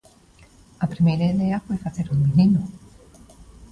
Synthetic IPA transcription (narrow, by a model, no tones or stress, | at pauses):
apɾimejɾaiðeafwefaθe̞ɾuŋminĩnu